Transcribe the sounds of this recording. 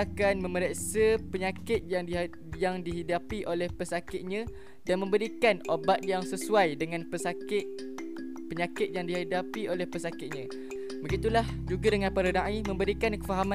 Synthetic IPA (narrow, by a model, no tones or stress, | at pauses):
akanmə̃məɾasəpəɲakɪt̪̚jaŋ | jaŋdiɦidapiʔolɛhpəsakɪt̪̚ɲã | danmə̃mbəɾikanobat̪̚jaŋsəsuajdəŋãnpəsakɪt̪̚ | pəɲakɪt̪̚jaŋdiɦadapiolɛhpəsakɪt̪̚ɲã | bəɡit̪ulahd͡ʒuɡadəŋãnpaɾənaʔimə̃mbəɾikankəfaɦam